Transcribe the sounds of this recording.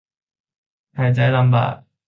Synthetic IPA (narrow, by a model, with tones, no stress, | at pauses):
hɐ˨˩jt͡sɐ˨˥jlɐ˨˧mpa̰ː˨˩